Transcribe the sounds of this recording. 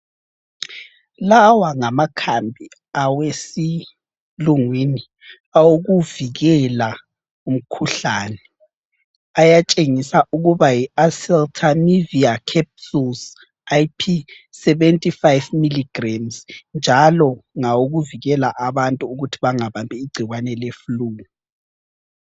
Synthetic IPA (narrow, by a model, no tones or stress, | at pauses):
lawaŋamakʰambʱi | awesi | luŋwini | awoɣuviɣɛla | um̩kʰuɬaːnɛ | ajat͡ʃʼeŋisauɣuβajiasɛltʰamiviakʰɛp̚suls | ajpʰi | sɛβɛntʼifajvmiliɡ̥ramznd͡ʒʱalɔŋawoɣuviɣɛlaʔaβantʼuːɣutʰiβaŋaβambʱiːɡ͡ǀʱiɣwanɛlefuluːŋu